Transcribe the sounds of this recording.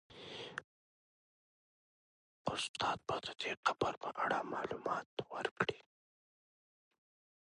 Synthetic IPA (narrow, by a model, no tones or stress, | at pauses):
ʊst̪ɑːt̪̚bɑd̪əd̪̥eqabəɾpəʔaɽamɑːlumɑt̪wəɾkɽi